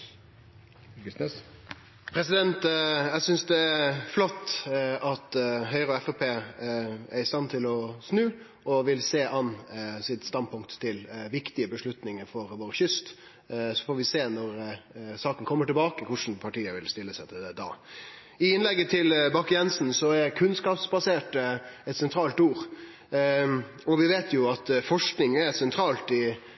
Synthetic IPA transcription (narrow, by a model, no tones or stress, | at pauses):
s | pʰɾɛsɪd̪ɛnt̪jæsʏnsd̪ɛæflɔt̪ːɑt̪ɦœʏɾɔɛfɛpʰeː | æɾɪst̪ɑnːt̪ʰɪlɔsnʉː | ʔɔʋɪlseːʔɑnːsɪt̪st̪ɑnd̪pʰʊŋkt̪ʰːɪlʋɪkt̪ɪəbəʂɭʉt̪nɪŋəɾfɔɾʋoːɾəçʏst̪ | sɔ̥fɔːɾʋɪseːnɔɾsɑːkənkʰɔmːəʈɪlbɑːkəkʰʊʂn̩pʰɑʈiːəʋɪlst̪ɪlːəsæɪt̪ʰɪld̪ɛd̪ɑ̰ː | ɪɪnlɛɡːət̪ʰɪlbɑkjɛnsn̩sɔæɾkʰʉnskɑːpsbɑseːʈəɛt̪sɛnt̪ʰɾɑːlt̪uːɾ | ɔʋɪʋeːt̪ʰjʊɑt̪fɔʂknɪŋɛsɛnt̪ʰɾɑːlt̪ɪ